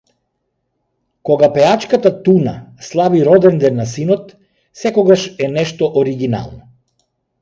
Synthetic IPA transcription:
kɔɡapɛat͡ʃkat̪at̪una̰slˠabiɾɔd̪ɛnd̪ɛnːasinɔt̪ | sɛkɔɡaʃɛnɛʃt̪ɔʔɔɾiɡina̰lˠnɔ

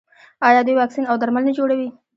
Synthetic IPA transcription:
ɑjɑd̪ujwɑksinawd̪aɾmalnad͡ʒoɽawi

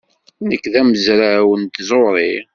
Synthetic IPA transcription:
nəkːðæməzɾawənt̪zˤoɾˤi

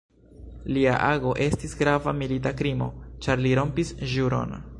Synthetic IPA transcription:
lia̰ʔaɡo̞ʔe̞stisɡɾavamilitakɾimo̞̰t͡ʃaɾliɾo̞mpisʒuɾo̞̰n

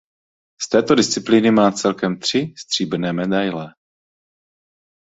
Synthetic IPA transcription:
st̪ɛːt̪o̞dɪst͡sɪplinɪmaːt͡sɛlkɛmt̪r̝̥ɪst̪r̝̥iːbnɛːmɛdajlɛ

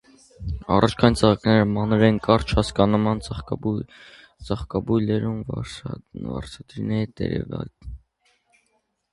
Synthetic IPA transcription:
ɑ̰rɑt͡ʃʰkʰɑjint͡sʰəʁɑknɛɾəmɑnɾɛnkɑɾt͡ʃʰhɑskɑnmɑn | t͡sɑχkɑbujlɛɾum | vɑ̰ɾt͡sʰɑd̪ɾinɛɾit̪ɛ̰ɾɛ̰vɑ̰l

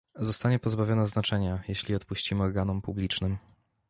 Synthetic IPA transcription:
zɔst̪aɲɛpɔzbavʲjɔnaznat͡ʂɛɲajeɕlʲiɔt̪puɕt͡ɕimɘɔɾɡanumpublʲit͡ʂnɘm

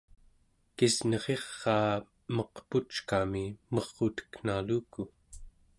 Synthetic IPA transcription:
kisnʌʁe̞ʁːɑː | mʌqput͡ʃkamimʌʁːot̪ə̥knaluːku

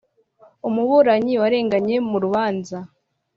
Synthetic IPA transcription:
umuβuɾaɲiwaɾe̞ːŋɡaɲe̞muɾuβaːnza

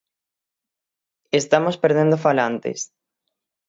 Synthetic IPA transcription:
est̪amospeɾð̞end̪ofalant̪ḛs

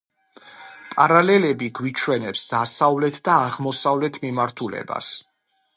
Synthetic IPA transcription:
pʼaɾalɛlɛbiɡwit͡ʃʰwɛnɛpsd̪asavlɛt̪ʰd̪aːʁmɔsavlɛt̪ʰmimaɾt̪ʰulɛ̰ba̰s

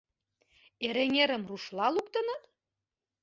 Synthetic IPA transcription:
eɾeŋʲeɾə̆mruʃlɑluk̚t̪ə̆nɤ̆t̪

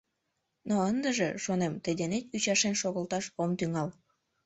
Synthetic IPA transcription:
noənd̪əʒeʃonemt̪əjd̪enet̪yt͡ɕɑʃenʃoɣəlt̪ɑʃomt̪yŋɑl

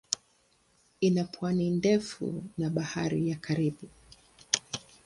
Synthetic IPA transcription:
inapʰwanindɛfṵnaɓahaɾijakʰaɾiɓu

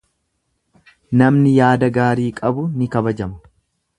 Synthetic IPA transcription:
nɐmnɪjaːd̪ɐɡaːɾiːkʼɐbʊnɪkɐbɐd͡ʒɐmɐ̥

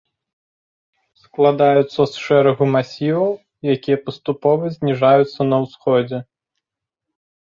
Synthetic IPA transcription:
sklˠad̪ajut̪sːɐsʂɛɾɐɣumasʲivɐw | jakʲijɐpɐst̪upɔvɐzʲnʲiʐajut̪sːɐnɐwsxɔd͡zʲɛ

